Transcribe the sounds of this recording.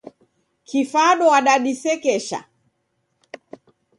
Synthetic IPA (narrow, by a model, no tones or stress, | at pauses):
kʰifaɗɔwaɗaɗisɛkɛʃa̰